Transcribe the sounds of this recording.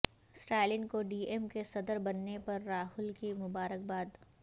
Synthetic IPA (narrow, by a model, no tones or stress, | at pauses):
sʈɛːlɪnkoɖiːemkesɐd̪əɾbɐnːepɐɾːaːɦʊlkimʊbaːɾək̚baːd̪